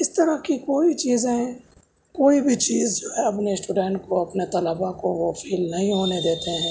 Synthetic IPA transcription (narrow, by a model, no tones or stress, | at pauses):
ɪst̪əɾəkikoːit͡ʃiːzẽ | koːibʱit͡ʃiːzd͡ʒoːɦɛɐpneɪsʈuːɖɛ̃ːɳʈkoɐpnet̪ɐləbakoʋofʰiːlnɐɦĩɦoːned̪eːt̪eɦɛ̃ː